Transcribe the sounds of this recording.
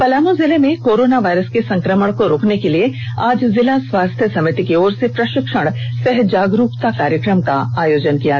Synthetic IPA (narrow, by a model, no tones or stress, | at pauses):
pɐlaːmozɪlemẽkoːɾoːnaʋaːjɾəskesɐ̃ŋkɾəməɽ̃koɾoːknekelieaːd͡ʒzɪlasʋaːst̪ʰjəsɐmɪt̪ikeoːɾsepɾɐʃɪkʃəɽ̃sɛɦd͡ʒaːɡɾuːpt̪akaːɾjəkɾəmka̰aːjoːd͡ʒənkija